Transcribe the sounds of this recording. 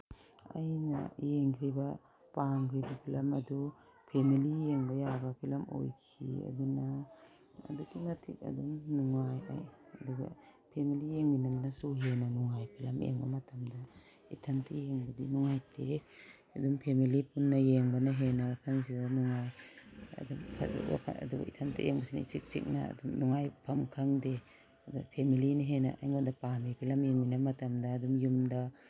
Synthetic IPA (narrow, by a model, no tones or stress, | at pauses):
ɐ̰jnɐ̰jeŋkʰɾibɐ | paŋkʰɾibɐpʰilɐmɐdu | pʰemilijeŋbɐjabɐpʰilɐmo̰jkʰḭɐ̰duna̰ː | dukimɐtʰik̚ɐ̰duŋnuŋaja̰jɐduɡɐ̰ | pʰemilijeŋbinɐmnɐsuɦenɐnuŋajpʰilɐmʔḛŋbɐ̰mɐtʰɐmdɐ | itʰantʰijeŋbadinuŋajte | adumpʰemilipunːajeŋbɐnaɦenawakʰans̬idanuŋaja̰dumpʰawa̰kʰa̰a̰duɡa̰itʰantʰḭʔḛŋbasina̰isik̚sḭk̚na̰dumnuŋajpʰamkʰaŋde | aduɡapʰemilinaɦena̰ʔa̰jŋodapamipʰilamjeŋinamatamdaːdumjumda